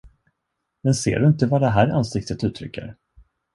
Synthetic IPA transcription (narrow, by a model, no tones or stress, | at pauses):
mɛnsḛːɖɵɪnt̪əvaɖ̪ɛɦæːɾa̰nsɪk̚t̪ʰət̪ʉ̟ːt̪ʰɾʏ̰kːə̰ɾ